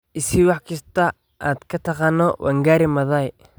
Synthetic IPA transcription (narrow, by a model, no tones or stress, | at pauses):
ʔɪsɪwɑħkʰɐst̪ɐ | ʔa̰ːd̪kʰɐt̪ʰɐqɑːnɔwʔɐ̰ŋɡaːɾɪmɐðɐj